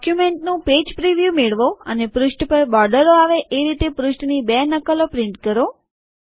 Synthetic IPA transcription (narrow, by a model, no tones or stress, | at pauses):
kjumeɳʈnũped͡ʒpɾiʋjumeɭʋoə̰nepɾʊʃʈpəɾbɔɾɖəɾoaʋeʔeɾit̪epɾʊʃʈnibɛnəkəlopɾɪɳʈkəɾo